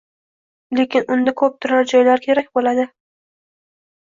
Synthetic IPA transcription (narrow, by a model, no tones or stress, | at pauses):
le̞kʲɪnʊnd̪akʰɵp̚t̪ʰʊɾaɾd͡ʒɒjlaɾkʲʰe̞ɾakʲbolad̪ɪ